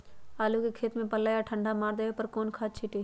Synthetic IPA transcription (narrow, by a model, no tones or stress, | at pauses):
aːlukekʰeːt̪mẽpəlaːjaʈʰə̃ɳɖʱamaːɾd̪əepəɾkoːnkʰaːt͡ʃʰɪʈiː